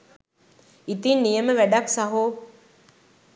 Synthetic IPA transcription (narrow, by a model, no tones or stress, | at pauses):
it̪inːijəməʋæɖaksaɦo